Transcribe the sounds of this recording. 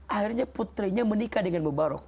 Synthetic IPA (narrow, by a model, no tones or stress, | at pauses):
ʔahirɲaput̪ɾiɲamənikadəŋanməbaɾɔ̰k̚